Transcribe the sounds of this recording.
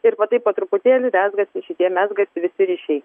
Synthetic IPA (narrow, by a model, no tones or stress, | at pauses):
ɪɾpoːt̪ɐɪpoːt̪ɾʊpʊt̪ʲeːlʲɪnʲæːzɡɐsʲɪʃʲɪt̪ʲiɛmʲæːzɡɐsʲɪʋʲɪsʲɪɾʲiɪːʃʲɛɪ